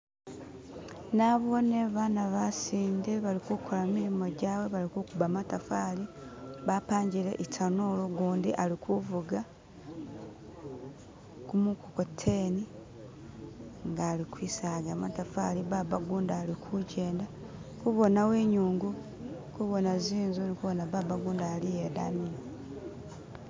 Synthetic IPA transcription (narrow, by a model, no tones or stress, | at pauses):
naβoneβaːnaβasiːndeβalikukʰolamiɾimo̞ɟaːwe̞βalikukuβamatafaːliβapaːɲɟiɾḛʔitʰanoːloɡuːndiʔalikuvuɡa | kumukukotʰːeːni | ŋɡaːlikwiːsaːɡamatafaliβaβaɡuːndaːlikʰuɟeːnda | kuβo̞nawe̞ːɲuːŋɡu | kuβo̞naziːnzunikuβo̞naβaβaɡuːndaːlijedani